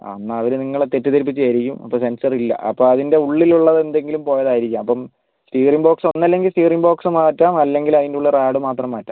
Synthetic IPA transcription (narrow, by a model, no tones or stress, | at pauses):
ɐ̰nːɐːʋɐɾuniŋːɐɭet̪etːut̪ɐɾip̬ːit͡ɕːɐjɾikʲːumɐ̰pːoːse̞nsɐrilːɐ̰ʔɐ̰pːoːɭɐðinde̞uɭːiluɭːɐðe̞nd̪e̞ŋɡilumpo̞ːjɐðaːjiɾikʲːaːmɐpːɐm | stiːrimbo̞ːkso̞nːɐlːe̞ŋɡilstiːriŋbo̞ːksmaːtːaːmɐlːe̞ŋɡilɐðinduɭːɐraːɽumaːt̪rɐmːaːtːa̰ːm